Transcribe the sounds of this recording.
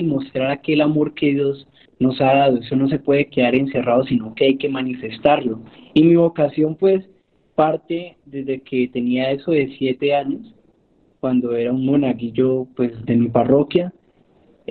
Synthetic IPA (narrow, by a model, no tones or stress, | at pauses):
mo̞st̪ɾaɾake̞lamo̞ɾke̞ðjo̞z | no̞saðaðoe̞so̞no̞s̬e̞pwe̞ðeke̞ðaɾe̞nse̞raðo̞sino̞ke̞ajke̞manifest̪aɾlo̞imiβo̞kasjo̞mpwe̞s | paɾt̪e̞d̪e̞zd̪e̞kʰe̞t̪e̞niae̞so̞ðe̞sje̞t̪e̞aɲo̞s | kwand̪o̞e̞ɾaunmonakiʝo̞pwe̞zd̪e̞miparo̞kja